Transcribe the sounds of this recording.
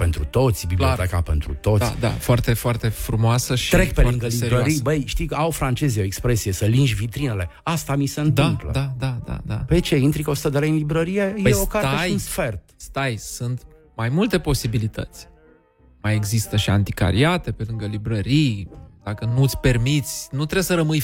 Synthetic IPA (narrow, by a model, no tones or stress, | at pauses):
pe̞nt̪ɾut̪o̞t̪sʲbiblliot̪ekape̞nt̪ɾṵt̪o̞t̪d̪a̰foart̪efoart̪e̞fɾumoasəʃɾe̞kpelɨŋɡəlibɾəɾibəjʃt̪iawfɾant͡ʃe̞zejoekspɾe̞sije̞səlinʒʲvit̪ɾinele̞ast̪amise̞ɨnt̪ɨmplə̰d̪ad̪ad̪a̰d̪a̰pet͡ʃe̞int̪ɾikosu̥t̪əd̪eleinlibɾəɾije̞jeokaɾeʃijunsfe̞rt̪st̪ajsɨnt̪ | majmult̪e̞po̞sibilit̪ə̰t̪sʲ | majeɡzist̪əʃia̰nt̪ika̰ɾiat̪e̞pe̞lɨŋɡəlibɾəɾijd̪̥akənut̪sʲpe̞rmit̪sʲnut̪ɾebsəɾəmɨj